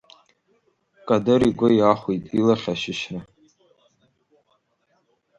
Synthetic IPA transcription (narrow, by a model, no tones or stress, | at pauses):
kʼadɨɾiɡʷʊjaχʷijtʼilaχʲaʃɪʃra